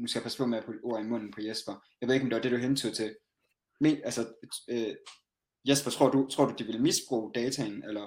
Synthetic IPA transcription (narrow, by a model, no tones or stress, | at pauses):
nusɡ̥æjɑpʰæsə̥pʰɒ̽meæpʰɔʔo̝ɐimɔ̽n̰n̩pʰɒ̽jesb̥ɐjɑɪʋe̝ðˠe̝ɒmde̝ʋɑɐd̥e̝ɾ̥uɦent͡sʰuðˠt͡sʰe̝ | meælsɐø | jesb̥ɐt͡sʰʁo̝ɐ̰d̥ut͡sʰʁo̝ɐ̰d̥ud̥iʋe̝ləmisb̥ʁṵːd̥ɛːt͡sʰænelɐ